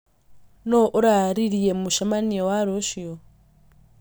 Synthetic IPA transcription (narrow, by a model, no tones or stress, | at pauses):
nɔʔuɾaɾiɺijɛmuʃamaniɔwaɾɔʃiɔ